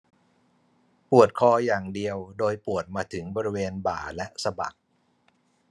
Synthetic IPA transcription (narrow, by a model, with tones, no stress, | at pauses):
pu˨˩ət̪̚kʰɔː˧jaː˨˩ŋdi˧əwdoː˧jpu˨˩ət̪̚maː˧t̪ʰɯ˩˦ŋbɔː˧ɾi˦˥weː˧nba̰ː˨˩lɛ˦˥ʔsa˧ba̰˨˩k̚